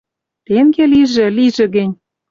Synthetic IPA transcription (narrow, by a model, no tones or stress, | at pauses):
t̪eŋɡeliʒĕliʒĕɣɘ̆nʲ